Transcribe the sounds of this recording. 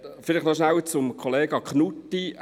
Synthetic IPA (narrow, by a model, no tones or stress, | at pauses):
fɪlɪχnɔʃnæwət͡sʊmkʰoleːɡɑkχnutːi